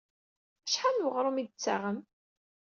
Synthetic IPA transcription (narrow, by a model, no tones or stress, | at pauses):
əʃħanwəʁɾˤumid̪t͡sːa̰ʁəm